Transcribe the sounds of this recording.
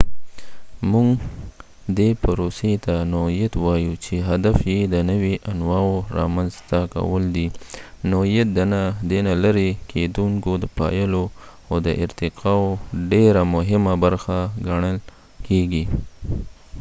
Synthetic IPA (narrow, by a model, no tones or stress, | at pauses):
muŋɡ | d̪epaɾoset̪anoɦijat̪wɑjut͡ʃeɦad̪afjed̪ənəwiʔanwɑwoɾɑ̰manzt̪aka̰wəld̪inoijat̪̚d̪anad̪enalaɾekʰed̪uŋkod̪əpɑ̰jəlo | awd̪əʔɪ̰ɾt̪ɪqʰɑwoɖeɾamʊɦɪmabaɾxaɡaɳəl | keɡi